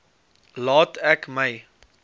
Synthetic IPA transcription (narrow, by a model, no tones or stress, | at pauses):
lɑːtʰɛkməj